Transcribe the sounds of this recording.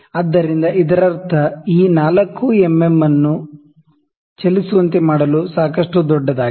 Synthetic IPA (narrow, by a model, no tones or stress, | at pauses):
ɐd̪ːɐɾind̪ɐʔid̪ɐɾɐɾt̪ʰɐiːnaːlɐkːuemːemːɐnːu | t͡ʃelisuʋɐnt̪emaːɽɐlusaːkɐʂʈud̪ɔɖːɐd̪aːɡi